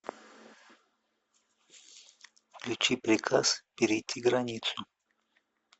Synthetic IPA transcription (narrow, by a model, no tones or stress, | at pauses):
lʲut͡ʃipɾikʰaspiɾit̪ʰiɡɾanʲit̪su